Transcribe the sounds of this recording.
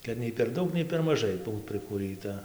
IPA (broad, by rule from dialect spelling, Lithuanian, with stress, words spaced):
kɐt ˈnʲɛɪ pʲɛr ˈdɐʊk nʲɛɪ pʲɛr mɐˈʒɐɪ ˈbuːt pʲrʲɪkuːˈrɨtɐ